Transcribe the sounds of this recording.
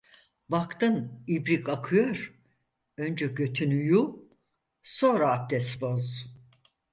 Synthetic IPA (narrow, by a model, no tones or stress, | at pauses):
bakt̪ɯnibɾikʰakʰɯjoɾ | ønd͡ʒɛɟøt̪ʰynyju | so̞ːɾaːp̚d̪ɛsboz̥